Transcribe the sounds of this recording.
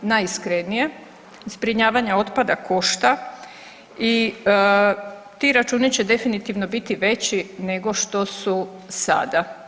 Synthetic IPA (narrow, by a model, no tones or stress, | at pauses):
najskɾenije̞ | zbɾiɲaːʋaɲao̞t̪pad̪akʰo̞ʃt̪a | i | t̪iɾat͡ʃuːnit͡ɕed̪e̞finit̪iʋno̞bit̪iʋe̞t͡ɕine̞ɡo̞ʃt̪o̞susa̰d̪a